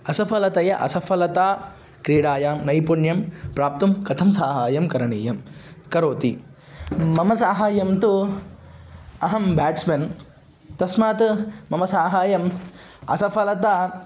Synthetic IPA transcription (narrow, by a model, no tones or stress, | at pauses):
ɐsɐpʰɐlɐt̪ɐjɐʔɐ̰sɐpʰɐlɐt̪aː | kɾeːɽaːjaːmnɐjpuɳjɐmpɾaːp̚t̪umkɐt̪ʰɐmsaːɦaːjɐmkɐɾɐɳḭːjɐmkɐɾoːt̪i | mɐmɐsaːɦaːjɐmt̪u | ɐɦɐmbaːʈsmɐn | t̪ɐsmaːt̪mɐmɐsaːɦaːjɐm | ɐ̰sɐpʰɐlɐt̪aː